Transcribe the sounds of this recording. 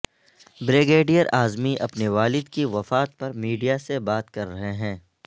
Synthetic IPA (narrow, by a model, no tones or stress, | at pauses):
bɾeːɡeːɖijəɾaːzmiʔɐpneʋaːlɪd̪kiʋɐfaːt̪̚pɐɾmiːɖijasebaːt̪kɐɾːɐɦeɦɛ̃ː